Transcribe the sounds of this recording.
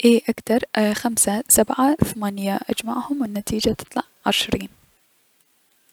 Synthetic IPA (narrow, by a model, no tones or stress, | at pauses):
ʔeːʔakt̪ɑɾˤxamsasabʕaθamanjaʔad͡ʒmaʕhʊmwɪnːat̪ʰiːd͡ʒat̪ɨ̥t̪ˤlɑʕʕɪʃɾiːn